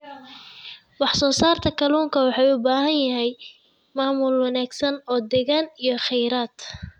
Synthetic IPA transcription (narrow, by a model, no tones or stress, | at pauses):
wɑħsɔːsaːrt̪ʰɐkʰɐluːŋkʰɐwɑħɑːjʊbaːɦɐnjɐɦɛj | maːmʊlwɑnaːɡsɐnɔːd̪ɛɣaːnijɔχɛjɾaːd̪